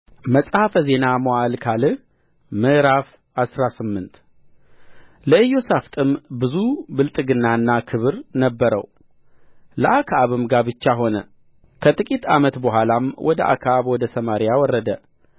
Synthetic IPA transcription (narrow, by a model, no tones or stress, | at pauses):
məsʼhafəze̞naməwalkʰalɨ | mɨʔɾaf | asɾasɨmːɨnt̪ | ləɨjːo̞saft̪ʼɨmbɨzubɨlt̪ʼɨɡɨnːanːakʰɨβɨɾnəbːəɾə̰w | ləʔakʰaaβɨmɡabɨt͡ʃːaɦo̞nə | kʰət̪ʼɨkʼit̪ʰa̰mət̪bəɦʷalamwɔd̪əʔa̰kʰaʔaβwɔd̪əsəmaɾijawɔrːəd̪ə